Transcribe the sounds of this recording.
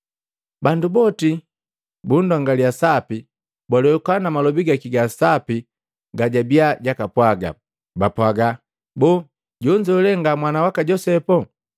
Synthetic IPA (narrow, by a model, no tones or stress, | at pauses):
bandubɔti | bundwaŋɡaliasapi | bwalɛkanamalɔbiɡakiɡasapi | ɡaɟabiaɟakapwaɡa̰ | bapwaɡa | bɔː | ɟɔɲd͡ʒɔlɛŋɡamwanawakaɟɔsɛpɔ